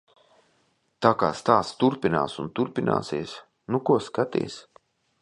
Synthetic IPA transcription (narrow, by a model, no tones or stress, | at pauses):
t̪aːkaːst̪aːst̪uɾpina̰ːsunt̪uɾpinʔa̰ːsiɛs | nukuɔskat̪ḭɛs